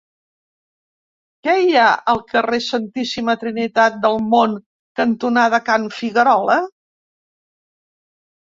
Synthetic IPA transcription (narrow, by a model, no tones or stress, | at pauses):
kɛiaʔəlˠkəresənt̪isimət̪ɾinit̪at̪̚d̪əlˠmoŋ | kənt̪unaðəkanfiɣəɾɔlə